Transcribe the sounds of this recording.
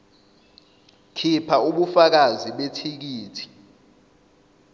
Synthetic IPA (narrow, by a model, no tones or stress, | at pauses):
kʰipʰauɓufak̬aziɓetʰik̬iːtʰi̥